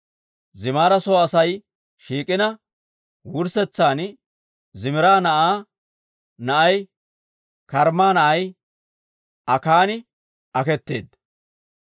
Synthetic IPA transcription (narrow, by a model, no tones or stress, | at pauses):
zɪmaːɾɐsɔːɐsɐj | ʃiːkʼɪnɐ | wʊɾsɛt͡sːaːn | zɪmɪɾaːnɐʔaː | nɐʔɐj | kɐɾmaːnɐʔɐj | ʔɐkaːnɪ | ʔɐkɛt̪ːe̞ːd̪